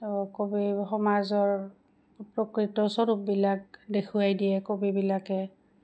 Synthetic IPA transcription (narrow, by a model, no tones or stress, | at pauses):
kobixɔmazɔɹ | pɹɔkɹitɔsɔɹup̚bilak̚dekʰuajdijɛkobibilakɛ